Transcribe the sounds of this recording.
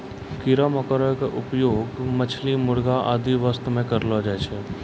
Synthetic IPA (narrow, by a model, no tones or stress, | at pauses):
kiɾaməkəɾəjkeʔʊpjoːɡmət͡ʃʰlimʊɽɡaʔaːd̪iʋəst̪mẽkəɾlad͡ʒat͡ʃʰɛ